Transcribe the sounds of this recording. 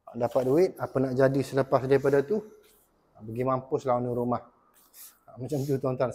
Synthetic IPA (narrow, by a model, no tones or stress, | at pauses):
dapat̪̚duɪt̪̚apanaʔd͡ʒadisələpasdaɾipadat̪u | bəɡimãmpʊslaaniɾumah | mat͡ʃamt̪ut̪ɔnt̪an